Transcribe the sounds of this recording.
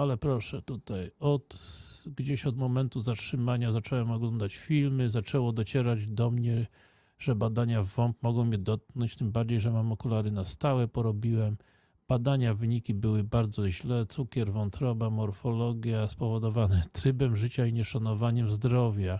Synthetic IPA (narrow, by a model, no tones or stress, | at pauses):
alɛpɾɔʂɛt̪ut̪ajɔt̪ɡd͡ʑeɕɔd̪mɔmɛnt̪uzatʂɘmaɲazat͡ʂɛwɛmɔɡlɔnd̪at͡ɕfʲilmɘzat͡ʂɛwɔd̪ɔt͡ɕɛɾad͡ʑd̪ɔmɲɛ | ʐ̥ɛbad̪aɲavɔmpmɔɡɔ̃w̃mʲɛd̪ɔt̪̚knɔɲt͡ɕt̪ɘmbaɾd͡ʑejʐɛmamɔkulaɾɘnast̪awɛpɔɾɔbʲiwɛm | b̥ad̪aɲavɘɲikʲibɘwɘbaɾd̪zɔʑlɛt̪sukʲɛɾvɔnt̪ɾɔbamɔɾfɔlɔɡʲjaspɔvɔd̪ɔvanɛt̪ɾɘbɛmʐɘt͡ɕaiɲɛʂanɔvaɲɛmzd̪ɾɔvʲja